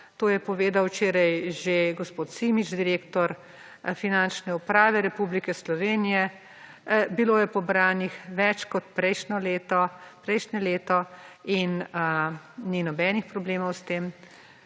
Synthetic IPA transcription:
t̪oːjɛpɔʋeːd̪awt͡ʃeːɾɐjʒeɡɔspoːt̪simit͡ʃd̪iɾeːkt̪ɔɾ | finant͡ʃnɛupɾaːʋɛɾɛpublikɛslɔʋeːnijɛ | biloːjɛpɔbɾaːnixʋɛt͡ʃkɔt̪pɾɛjʃnɔleːt̪ɔpɾɛjʃnɛleːt̪ɔinəninɔbɛːnixpɾɔbleːmɔwst̪eːm

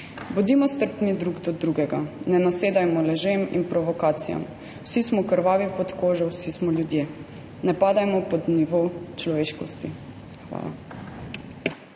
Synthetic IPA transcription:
bud̪imɔst̪əɾpnid̪ɾuɡd̪ɔd̪ɾuɡɛɡanɛnaseːd̪ajmɔlɛʒemḭnpɾɔʋɔkaːt̪sija̰m | wsismɔkəɾʋaːʋipɔt̪koːʒɔwsismɔljud̪jeː | nɛpaːd̪ajmɔpɔd̪niʋowt͡ʃlɔʋeːʃkɔst̪i | xʋa̰ːla̰

